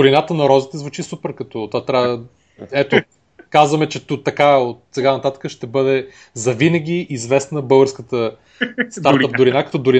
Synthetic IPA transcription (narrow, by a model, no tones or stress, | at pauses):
ʊɾinat̪ənɐɾɔzit̪ɛzvut͡ʃisupɛɾkɐt̪ɔt̪vat̪ɾʲa | ɛt̪o | kazvɐmɛt͡ʃɛt̪ut̪ɐkaot̪̚sɛɡanɐt̪at̪ə̥kəʃt̪ɛbɤd̪ɛ | zɐvinəɡ̟ʲiːzvɛsnəbɤlˠɡəɾskət̪ə | st̪aɾt̪əp̚d̪ʊɾinakɐt̪ɔd̪ʊɾi